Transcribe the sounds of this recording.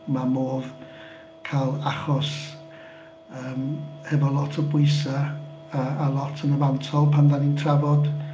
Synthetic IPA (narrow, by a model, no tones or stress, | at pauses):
mamoːð | kʰalˠaχɔs | əːmhɛvɔlˠɔtʰəbwʊɨsa | aːlˠɔtʰənəvantʰɔlˠpʰandanintʰravɔd̥